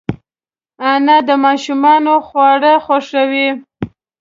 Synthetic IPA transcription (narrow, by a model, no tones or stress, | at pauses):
anad̪əmɑʃumɑnoxwɑɽəxoʂəwi